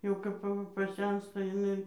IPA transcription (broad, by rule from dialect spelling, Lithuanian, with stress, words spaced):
jɛʊ ˈkɐp ɐˈʋɐ pɐˈsʲɛnstɐ jɪˈnɐɪ